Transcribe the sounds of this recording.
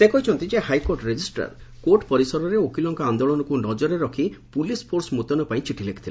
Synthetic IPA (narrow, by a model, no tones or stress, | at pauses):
sekɔɦit͡ʃʰɔnt̪id͡ʒehajkoɾʈɾed͡ʒisʈa̰ɾkoʈpɔɾisɔɾɔɾeokilɔŋkɔand̪oɭɔnɔkunɔd͡ʒɔɾeɾɔkʰipulispʰoɾsmut̪ɔnɔpaĩt͡ʃiʈʰileki̥t̪ʰil